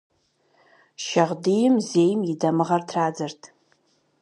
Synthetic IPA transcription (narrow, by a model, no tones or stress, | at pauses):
ʃɐʁdijɪmzeːjmjɪdɐmɨʁɐrtʰraːd͡zɨrtʰ